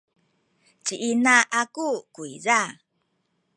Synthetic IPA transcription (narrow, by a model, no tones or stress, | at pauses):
t͡ɕiʔinaʔakukuiza